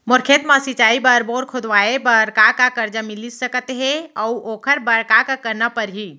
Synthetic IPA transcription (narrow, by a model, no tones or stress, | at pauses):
moɾkʰet̪masit͡ʃaːibəɾboːɾkʰod̪ʋaebəɾkakakəɾd͡ʒəmilisəkət̪ɦɛ̃ɔuoːkʰəɾbəɽkakakəɾnapəɾɦi